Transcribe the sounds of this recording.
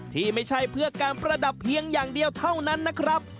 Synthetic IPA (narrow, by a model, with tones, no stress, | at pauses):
t̪ʰiː˥˩ma˥˩jt͡ɕʰa˥˩jpʰɯ˥˩ɐkaː˧npɾa˧da˨˩pʰːi˧əŋjaː˨˩ŋdi˧əwt̪ʰa˥˩wna˦˥nːa˦˥kʰɾa˦˥p̚